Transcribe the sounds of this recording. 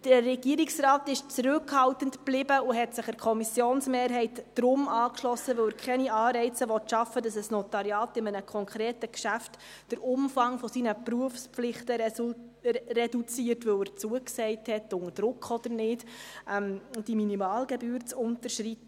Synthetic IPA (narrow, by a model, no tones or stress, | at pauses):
d̥ərɛɡiəɾiksɾɑːtɪʃt͡sɾʏkhɑltəntb̥lɪbəʊɦɛtsɪχæɾkʰɔmisjoːnsmeːrɦɛɪtd̥ɾʊmɑːkʃlɔsːəʋœwæːɾkʰχɛniɑːɾɛɪt͡səʋɔtʃɑfːədɑsəsnɔtɑɾjɑːtɪmənəkʰɔŋkʰɾeːtəkʃæft | d̥əɾʊmfɑŋfɔsinəpruəfspflɪχtə | rɛdut͡siːəɾtʋɵwæɾt͡suəksɛɪthɛtʊŋəɾd̥ɾʊkʰχɔd̥̪əɾnɪːtʔɛmd̥iminimɑːlɡɛbyːɾt͡sʊntəɾʃɾit